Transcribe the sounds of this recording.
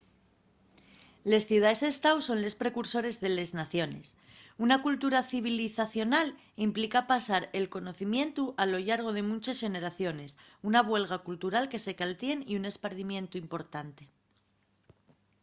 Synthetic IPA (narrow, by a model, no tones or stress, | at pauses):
le̞sθjuwð̞aese̞st̪awso̞nle̞spɾe̞kuɾso̞ɾe̞zðe̞le̞znaθjo̞ne̞̰s | unakult̪uɾaθiβ̞iliθaθjo̞nal | implikapasaɾe̞lko̞no̞θimjẽ̞nt̪uʔalo̞ʎaɾɣ̞o̞ð̞e̞mũt͡ʃasʝe̞ne̞ɾaθjo̞ne̞s | unaβwe̞lɣ̞akult̪uɾalke̞se̞kalt̪je̞niune̞spaɾðimjẽ̞nt̪uimpo̞ɾt̪ant̪e̞